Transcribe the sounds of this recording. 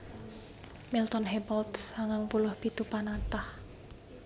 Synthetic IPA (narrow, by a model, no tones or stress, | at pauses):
milt̪ɔnɦɛbalt̪saŋaŋpulʊhpit̪upanat̪ah